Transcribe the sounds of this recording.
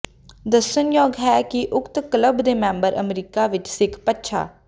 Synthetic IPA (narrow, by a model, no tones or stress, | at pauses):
d̪əsːənjɔːɡɦɛːkɪʔʊkt̪kələbd̪eːmɛ̃ːmbəɾʔə̰mɾiːkaːʋɪt͡ʃsɪkʰpətːʃʰa̰ː